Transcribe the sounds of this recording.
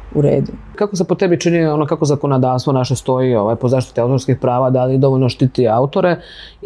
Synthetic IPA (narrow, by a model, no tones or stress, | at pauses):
uɾḛːd̪u | kakosepot̪e̞bit͡ʃinionokako̞zako̞nod̪aːʋst̪ʋo̞naʃest̪o̞jioʋajpozaːʃt̪i̥t̪iaut̪oɾskixpɾaːʋad̪alid̪o̞ʋoʎʲnoʃt̪it̪iaut̪o̞ɾe